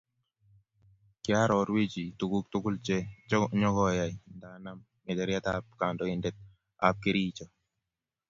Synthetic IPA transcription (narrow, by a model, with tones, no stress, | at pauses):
kja˦ɾɔɾwe˦d͡ʒi˨t̪u˨ku˦k̚t̪ʊ˦kʊ˦lt͡ʃɛ˦ɲɔ˦kɡɔjajnda˨na˦m | mɛ˨d̪ɛ˨ɾja˦t̪a˦p̚ka˨ndɔɪndɛ˦t̪̚ | a̰p̚ke˦ɾiː˦t͡ʃɔ